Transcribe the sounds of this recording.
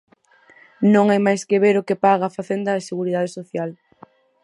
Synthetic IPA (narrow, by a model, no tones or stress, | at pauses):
nõŋajmajskeβeɾokɪpaɣaːfaθend̪ɐeseɣuɾiðaðesoθjal